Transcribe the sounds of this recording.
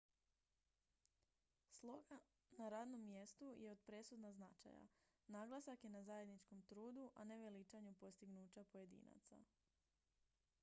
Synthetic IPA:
slˠo̞ɡa | naɾaːd̪no̞mːje̞st̪uje̞o̞d̪pɾe̞sud̪naznat͡ʃa̰ja̰ | naːɡlˠasakje̞nazaje̞d̪nit͡ʃko̞mt̪ɾuːd̪uʔa̰ne̞ʋelit͡ʃaɲupo̞st̪iɡnuːt͡ɕapoje̞d̪ḭːna̰t̪sa̰

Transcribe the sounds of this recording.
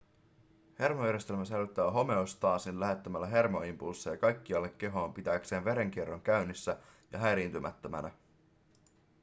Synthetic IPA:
he̞rmojæɾjest̪e̞lmæselyt̪ːæːɦo̞me̞ost̪ɑːsinllæɦe̞t̪ːəmælːæɦe̞rmoimpulsːejɑkɑjk̟ːiɑlːe̞kːe̞ɦo̞ːmpit̪æːkse̞ːnʋe̞ɾe̞ŋk̟ierːoŋk̟æɥnːisːæjɑɦæjɾint̪ymʔæ̰t̪ːømæ̰næ̰

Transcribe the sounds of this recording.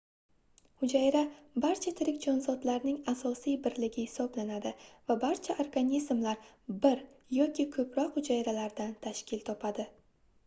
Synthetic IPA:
hʊd͡ʒajɾabaɾt͡ʃʰat̪ʰɪɾɪkʲd͡ʒɒnzɒd̪laɾnɪŋasɒsijbɪɾlɪɡʲɪhɪsɒblanad̪ɪvabaɾt͡ʃʰaʔoɾɡanʲizmlaɾbɪɾ | jɒkʲɪkʰɵpʰɾɒqhʊd͡ʒajɾalaɾd̪ant̪ʰaʃkʲɪlt̪ʰɒpʰad̪ɪ

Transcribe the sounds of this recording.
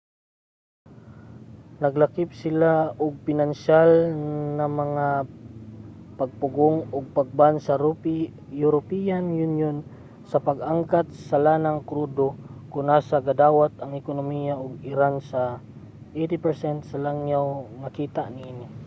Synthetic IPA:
nɐɡlakɪp̚sɪlaʊɡ̚pɪnanʃalnɐmɐŋa | paɡ̚pʊɡoŋʊɡ̚paɡ̚bansaɾ | jʊɾopijanjunjon | sɐpaɡʔaŋkat̪̚sɐlanaŋkɾud̪okʊŋnaːsaɡɐd̪aːwat̪̚ɐŋɪkonomijaʔʊɡɪɾansa | ʔejt̪ipɛɹsɛnt̪sɐlaŋjawmɐkiːt̪aʔninɪ

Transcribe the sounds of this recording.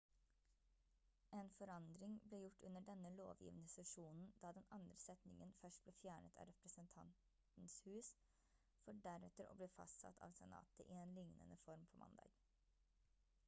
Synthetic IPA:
eːnfɔɾɑnd̪ɾɪŋbleːjʊʈːʉnːəɖɛnəlo̰ːʋjḭːʋnəsɛʂuːnn̩d̪̥ɑːd̪ɛnɑnd̪ɾəsɛt̪nɪŋənfœʂʈ̚b̥leːfjæːɳət̪ʰɑ̰ːɾɛpɾəsənt̪ʰɑnt̪ | n̩shʉːs | fɔɖæɾɛt̪əɾo̰ːbliːfɑ̰st̪sɑ̰t̪ʰɑ̰ːʋsɛnɑ̰ːt̪əʔɪeːnlɪŋnə̰nəfɔɾmpʰɔːmʔɑ̰nd̪ɑ̰ːɡ̥

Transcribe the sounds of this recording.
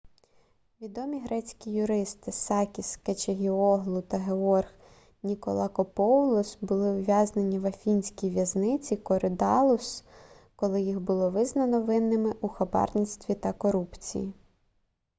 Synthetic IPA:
ʋʲid̪ɔmʲiɦɾɛt͡sʲkʲijʊɾɪst̪ɪsɑkʲisket͡ʃeɦʲiɔɦlˠʊt̪ɐɦeɔrx | nʲikɔ̰lˠɑkɔpɔwlˠɔsbʊlˠɪwjʲɑznenʲiʋɐfʲinʲsʲkʲijʋʲjɐznɪt͡sʲikɔɾɪd̪ɑlˠʊs | kɔlˠɪjixbʊlˠɔʋɪznɐnɔʋɪnːɪmɪʔuxɐbɑ̰rnʲist̪ʋʲit̪ɐkɔɾupt͡sʲḭji

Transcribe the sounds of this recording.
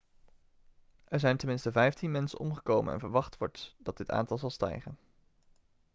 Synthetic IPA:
ʔɛɹzɛjntəmɪnstəvɛjftinmɛnsə̰nʔɔmχəkowmənɛ̰nvəɹʋɑχtʋɔɹtd̥ɑd̚dɪta̰ːntɑlˠzɑlˠstɛ̰jχən

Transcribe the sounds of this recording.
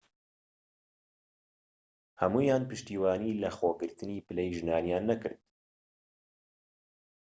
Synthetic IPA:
hɐmuːjaːnpɨʃt̪iːwɑːniːlɐxoːɡɨɾt̪ɨniːpɨlɛjʒɨnaːnijaːnːɐkɨ̰ɾd̪

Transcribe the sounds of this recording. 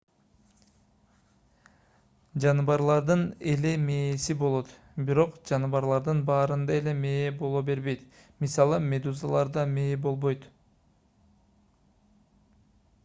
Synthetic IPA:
d͡ʒɑnɯβɑɾlˠɑɾd̪ɯne̞le̞me̞ːsibo̞lˠo̞t̪ | biɾo̞qd͡ʒɑnɯβɑɾlˠɑɾd̪ɯnbɑːɾɯnd̪ɑe̞le̞me̞ːbo̞lˠobe̞ɾβe̞jt̪ | misɑlˠɯme̞d̪uzalˠɑɾd̪ɑmeːbo̞lˠβo̞jt̪

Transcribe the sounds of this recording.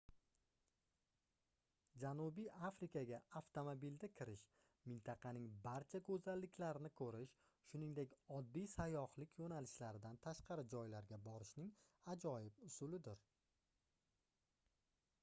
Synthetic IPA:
d͡ʒanubijafɾɪkʰaɡʲaaft̪ʰomobild̪akʲʰɪɾɪʃ | mɪnt̪ʰɑqʰɑnɪŋbaɾt͡ʃʰakʰɵzalːɪkʲʰlaɾɪnɪkʰɵɾɪʃ | ʃʊnɪŋd̪e̞kʲɒd̪ːijsajɒhlɪkʲʰjonalɪʃlaɾɪd̪ant̪ʰaʃqʰɑɾɪd͡ʒɒjlaɾɡʲabɒɾɪʃnɪŋad͡ʒɒjɪp̚ʊsʊlɪd̪ɪɾ

